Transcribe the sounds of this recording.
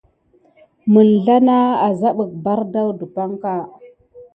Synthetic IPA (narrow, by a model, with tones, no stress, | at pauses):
mə˨nɮa˦na˦a˨za˦ɓə˨k̚ba˦ɾda˦wdu˨pa˦ŋka˦